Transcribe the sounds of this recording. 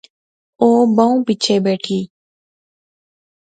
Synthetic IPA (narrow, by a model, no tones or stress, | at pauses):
oːbəũːpɪt͡ʃʰeːbeːʈʰiː